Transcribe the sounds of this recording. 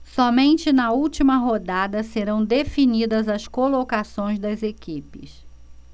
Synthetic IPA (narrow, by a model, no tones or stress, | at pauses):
sɔmẽnt͡ʃɪnɐuwt͡ʃimɐɦod̪ad̪ɐseɾɐ̃w̃d̪efinid̪ɐzɐskolokasõj̃zd̪ɐzekipɪs